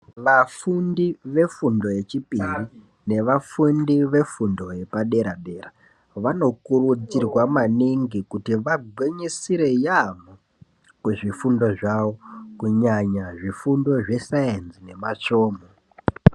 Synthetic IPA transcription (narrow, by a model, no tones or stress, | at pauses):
ʋafundiʋe̞fundo̞je̞t͡ʃipiri | ne̞ʋafundiʋe̞fundo̞je̞paɗe̞ɾaɓe̞ra | ʋano̞kurud͡zirwamaniŋɡikutiʋaɡʱweɲisiɾe̞jamo | kuʐifundo̞ʐaʋo̞kuɲaɲaʐifundo̞ʐe̞saenzine̞mat͡ʂo̞ːmo